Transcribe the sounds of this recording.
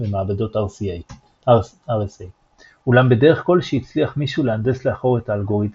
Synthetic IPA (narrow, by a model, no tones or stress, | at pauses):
bemaabado̞t | aʁesej | ulambe̞de̞ʁeχko̞lʃeit͡sliaχmiʃuleandesleaχo̞ʁe̞taːlɡo̞ʁit